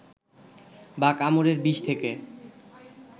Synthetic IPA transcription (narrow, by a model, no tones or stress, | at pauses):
bakamoɾeɾbiʃt̪ʰeke